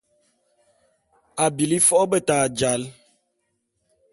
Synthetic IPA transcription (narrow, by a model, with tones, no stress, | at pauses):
a˨bi˨li˦fɔ˦bə˦taː˨d͡ʒa˨˦l